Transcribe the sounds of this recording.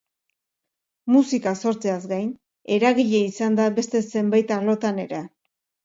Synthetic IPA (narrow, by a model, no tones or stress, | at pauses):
musikaso̞ɾt͡seazɡajn | e̞ɾaɣiʎe̞isand̪aβe̞st̪e̞se̞mbajt̪arlo̞t̪ane̞ɾe